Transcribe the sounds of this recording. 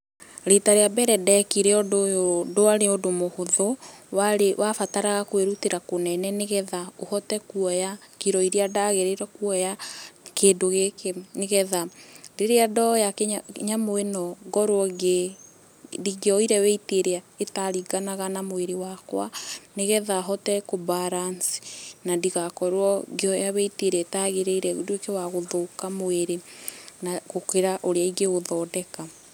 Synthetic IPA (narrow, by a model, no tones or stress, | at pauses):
ɾetaɾeabɛɾɛdɛkiɾeɔdoodoaɾeodomohoðɔwaɾewʔafataɾaɣakoeɾuteɾakonɛnɛneɣɛðaohɔtɛkuɔjakiɾɔiɾeadaɣeɾeɾɔkuɔjakeːdoɣekeneɣɛðaɾeɾeadɔjakɲamoenɔɡɔɾwɔɡe | diɡeɔiɾɛwɛiteɾea | etaɾiɡanaɣanamoeɾewakwaneɣɛðaɦɔtɛkobaɾansi̥nadiɣakɔɾwɔɡeɔjawɛiteɾeɛetaɣeɾeiɾɛdekewaɣoðokamoeɾenaɣokeɾaʔoɾeaiɡeɣoðɔːdɛka